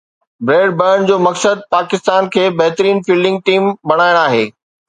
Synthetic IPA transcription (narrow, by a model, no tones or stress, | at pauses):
bɾeːɖ̚bəːnd͡ʑoːmɐksəd̪̚paːkɪst̪aːnkʰeːbɐɦt̪ɾiːnfiːlɖɪ̃ŋɡ̚ʈiːmbɐɽ̃aːjɽ̃aːɦeː